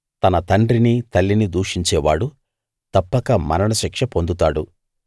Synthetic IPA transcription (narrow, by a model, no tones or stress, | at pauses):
t̪ɐnɐt̪ɐɳɖɾinit̪ɐlːinid̪uːʂiɲt͡ʃɛːʋa̰ːɽu | t̪ɐpːɐkɐmɐ̰ɾɐɳɐʃikʂɐpo̞nd̪ut̪aːɽu